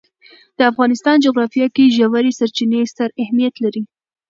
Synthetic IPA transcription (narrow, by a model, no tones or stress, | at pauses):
d̪̥əafɣɑnɪst̪ɑnd͡ʒoɣɾɑfijɑkiʒawaɾesaɾt͡ʃinest̪aɾahmijat̪laɾi